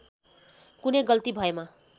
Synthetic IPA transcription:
kunʌjɡʌlt̪ibʱʌema

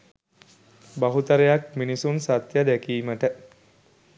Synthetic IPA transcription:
baɦut̪əɾejak̚minisunsat̪jad̪ækiːməʈə

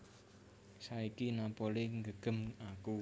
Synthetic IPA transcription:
saikinapoliŋɡəɡ̥ə̤maku

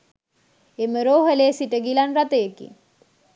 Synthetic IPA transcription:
eməɾoːɦəleːsiʈəɡilanɾat̪əjekḭ

